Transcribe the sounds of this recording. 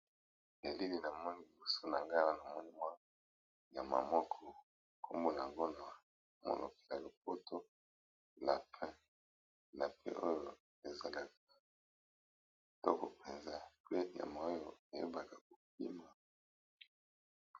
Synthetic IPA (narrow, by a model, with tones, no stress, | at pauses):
e˨li˦li˨na˨mɔ˦ni˨li˨bo˦so˦na˨ŋɡa˦la˦na˨mɔ˦ni˦mwa˦ | ja˨ma˨mɔ˦kʰɔ˨ | kʰo˦mbo˦la˨a˨ŋɡo˦na˨ | mo̰˨lo̰˨ke̥˨la˨li˨p̚o˦tʰo˦ | na˨pʰɛ̃˦ | na˨pʰɛ̰˦ʔo˦jo˨ | e˨za˨la˨k̚ḁ˨ | tɔ˦ko˨pe˨nza˦pe˦˨ja̰˨ma˨o˦jo˨e˨jo˦ba˨kḁ˨ko˨p̚i˦ma˨